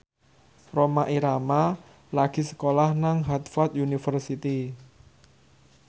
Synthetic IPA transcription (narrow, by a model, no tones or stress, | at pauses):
romaʔiɾama | laɡ̥i̤sə̥kolahnaŋɦat̪fɔt̪junifərsit̪i